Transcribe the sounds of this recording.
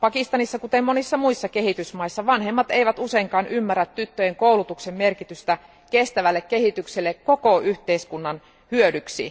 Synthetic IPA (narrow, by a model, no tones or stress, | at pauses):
pɑkist̪ɑnisːɑkut̪emmonisːɑmuisːɑke̞hit̪ysmɑisːɑʋɑnɦemːɑt̪eiʋæt̪useiŋkɑːnʔymːærːæt̪tyt̪ːøjeŋkoulut̪uksemmerkit̪yst̪æ | kest̪æʋælːekkːehit̪ykselːekkokoʔyht̪eiskunːɑn | hyødyksḭ